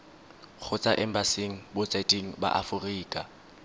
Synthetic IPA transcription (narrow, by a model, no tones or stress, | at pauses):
k͡xʰʊt͡sʼaʔɛm̩basɪŋ̩bʊt͡sʼatʼiŋ̩ba̰ʔafʊriːkʼa